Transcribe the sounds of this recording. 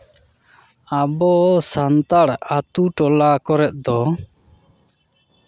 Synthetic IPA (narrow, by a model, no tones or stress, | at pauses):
abɔsant̪aɽat̪uʈɔlakɔɾɛt̪̚ˀd̪ɔ